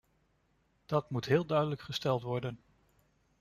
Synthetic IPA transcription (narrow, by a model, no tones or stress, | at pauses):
d̥ɑtmutɦɪːlˠdœɥdələkχəstɛlˠtʋɔɹdən